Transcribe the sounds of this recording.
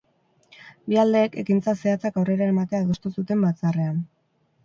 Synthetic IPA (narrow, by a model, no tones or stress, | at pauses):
biald̪e̞ːke̞kint͡sase̞at͡sakawre̞ɾae̞mat̪e̞aðo̞st̪usut̪e̞mbat͡sare̞an